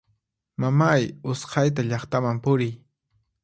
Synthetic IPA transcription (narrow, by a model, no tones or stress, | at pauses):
mamajʊsqʰɑjt̪̬aʎɑχt̪amampʊɾɪj